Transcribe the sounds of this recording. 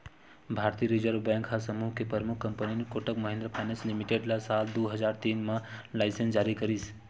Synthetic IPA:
bʱaːɾt̪ijɾɪzəɾʋbɛ̃ːŋkɦasəmuːɦkepəɾmʊkʰkːɐ̃mpəninekoʈəkmɐɦɪ̃nd̪ɾəpʰaːnəslɪmiʈeɖlasaːld̪oːɦəd͡ʒaːɾt̪iːnmãlaːɪsə̃nsd͡ʒaːɾikɐɾiːs

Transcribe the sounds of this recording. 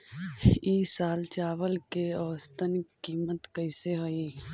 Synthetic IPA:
iːsaːlt͡ʃaːʋəlkeəʋəst̪ənkiːmət̪kəɪseɦoi

